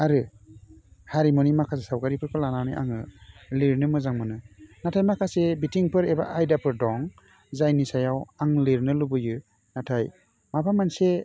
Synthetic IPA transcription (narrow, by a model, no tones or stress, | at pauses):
aɾɯ | haɾimɔnimakʰas̬esawkaɾipʰɯɾkʰɯlananɯʔa̰ŋɯliɾnɯmɯzaŋmɯnɯnatʰajmakʰasebitiŋpʰɯɾeba̰ʔajdapʰɯɾdɔŋ | zajnisajawaŋliɾnɯlubɯjɯ | natʰaj | mapʰamanse